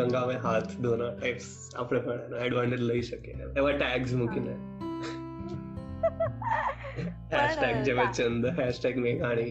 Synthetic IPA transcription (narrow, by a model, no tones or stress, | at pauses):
əŋɡaʋẽɦat̪ʰd̪onaʈajps | a̰pɽẽkʰəɽanaɛɖʋaɳʈəɾləiɕəkeeʋaʈæɡs̬mukina | hæɕʈæɡ̚d͡ʑɛʋãt͡ɕənd̪əɦæɕʈæɡmeɡaɽ̃i